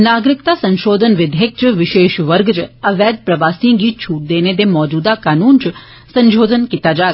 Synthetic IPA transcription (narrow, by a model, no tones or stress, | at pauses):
naːɡɾɪkt̪asə̃nʃoːd̪ʱənʋɪd̪ʱek̚t͡ʃʋɪʃeːʃʋəɾɡt͡ʃəʋɛːd̪̚pɾəʋaːsĩɡiːt͡ʃʰuːd̪eːned̪emɔːd͡ʒuːd̪akaːnuːnt͡ʃ | sə̃nʃoːd̪ʱənkit̪ad͡ʒaːɡ